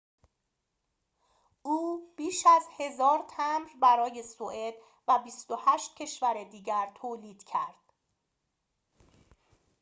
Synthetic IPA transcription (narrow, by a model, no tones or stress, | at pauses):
ʔuːb̥iːʃæzhe̞zɒːɾt̪ʰæmɾbæɾɒːje̞soʔed̪̥ | væbist̪ohæːʃt̪̚cʰe̞ʃvæɾed̪iːɟæɾt̪ʰoːliːd̪̥cʰæɾd̪̥